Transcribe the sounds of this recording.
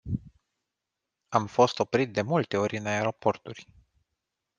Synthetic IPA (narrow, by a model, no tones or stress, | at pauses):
amfo̞st̪o̞pɾit̪̚d̪e̞mult̪e̞o̞ɾʲɨnae̞ɾo̞po̞rt̪urʲ